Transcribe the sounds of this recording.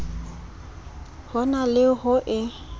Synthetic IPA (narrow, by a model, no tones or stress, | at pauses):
hɔnalɪɦʊʔɪ